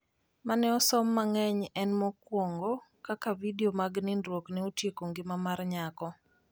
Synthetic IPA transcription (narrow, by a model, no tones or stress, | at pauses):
manɛɔsɔmːaŋɛɲɛnmɔkwɔŋɡɔkakavidiomaɡnɪndɾwoknɪotjekoŋɡɪmamarɲakɔ